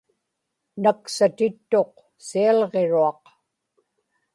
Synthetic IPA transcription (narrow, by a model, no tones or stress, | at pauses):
naksat̪ɪt̪ːo̞q̚ | siɑlʁeɻuɑq